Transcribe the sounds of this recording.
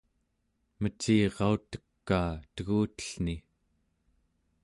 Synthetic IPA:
mət͡ʃiːʁɑut̪ə̥kːaːt̪əɣuːt̪ə̥ɬni

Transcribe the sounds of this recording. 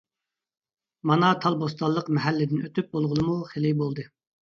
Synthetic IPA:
mɑnɑt̪ʰɑlˠbost̪ɑlˠːəqmɛɦɛlːɪd̪ɪnøt̪ʰyp̚bolˠʁʊlˠɨmuχelɪbolˠd̪ɨ

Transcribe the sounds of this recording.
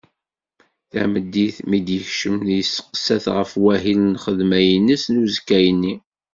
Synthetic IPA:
θæ̰məd̪ːiθmid̪jəçʃəmnjəsːə̥qə̥sæθʁəfwæɦilnχəðmæjənːəsnuzəkːæjənːi

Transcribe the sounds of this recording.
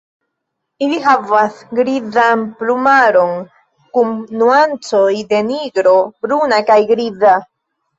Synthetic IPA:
iliɦavasɡɾizanplumaɾo̞n | kumnuant͡so̞jde̞niɡɾo̞bɾunakajɡɾiza

